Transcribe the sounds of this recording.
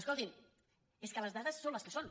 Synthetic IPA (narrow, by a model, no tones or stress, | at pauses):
əskolˠt̪in | eskələzðaðəsːonləskəson